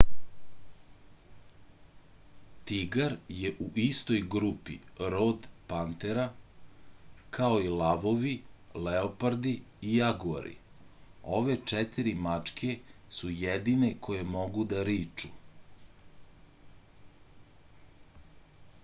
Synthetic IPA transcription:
t̪iɡaɾjeʔuʔist̪o̞jɡɾupḭɾod̪pant̪eɾa | kʰaoilaʋo̞ʋileopaɾd̪iː | jaɡuɾḭ | o̞ʋe̞t͡ʂɛt̪iɾimat͡ʂkʰe̞sujɛd̪inekʰo̞je̞mo̞ɡud̪aɾiːt͡ʂu

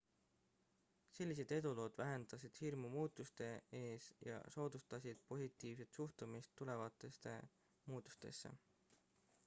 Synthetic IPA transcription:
se̞lʲːis̬e̞d̪̥e̞d̪̥ulo̞ːd̪̥væɦe̞nd̪̥ɑsid̪̥hirmumuːt̪ːˑust̪e̞e̞ːsjɑ̰so̞ːd̪̥ust̪ɑsid̪̥̚po̞sʲit̪ːˑiːvse̞t̪suht̪umist̪ːule̞vɑt̪ːˑe̞st̪e̞̰ | muːd̪̥u̥st̪e̞̰sːe̞̰

